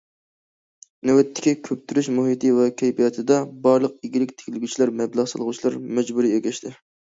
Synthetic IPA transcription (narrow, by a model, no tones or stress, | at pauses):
nɛwɛt̪ʰːɪ̥kʲikʲʰøp̚t̪ʰyɾyʃmuɦit̪ʰɨvɛkʲʰɛjpijɑt̪ʰɨd̪ɑbɑɾlˠəq̚iɡʲilɪkʲt̪ʰɪ̥kʲlɪɡʲyt͡ʃʰilæɾmɛblˠɑʁsɑ̰lˠʁʊt͡ʃʰilˠɑɾmɛd͡ʒbuɾijeɡʲɛʃt̪ʰɪ